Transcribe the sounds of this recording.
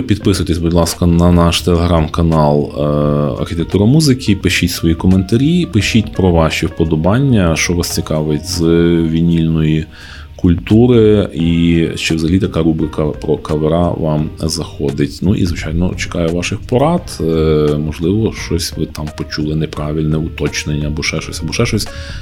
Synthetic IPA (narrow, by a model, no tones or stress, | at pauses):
pʲid̪pɪsʊjt̪esʲbudʲlˠɑskɐnɐnɑʃt̪elˠeɦɾɑmkɐnɑlˠ | ɐ̰rxʲit̪ek̚t̪uɾɐmuzɪkʰʲipɪʃʲitʲsʋɔjikɔment̪ɐɾʲipɪʃʲitʲpɾɔʋɑʃʲiwpɔd̪ɔbɑnʲːɐʃt͡ʃɔʋɑst͡sʲikɑʋetʲzʋʲinʲilʲnɔji | kʊlʲt̪uɾɪit͡ʃɪwzɐɦɐlʲit̪ɐkɑɾubɾɪkɐpɾɔkɐʋeɾɑʋɑmzɐxɔd̪ɪtʲnuʔḭzʋɪt͡ʃɑjnɔ̰t͡ʃe̥kɑjɛʋɑʃɪxpɔɾɑt̪mɔʒlˠɪʋɔʃt͡ʃɔsʲʋɪt̪ɑmpɔt͡ʃulˠɪnɛpɾɑʋʲilʲnɛʊt̪ɔt͡ʃnenʲːɐɐbɔʃɛʃɔsʲɐbɔʃɛʃɔsʲ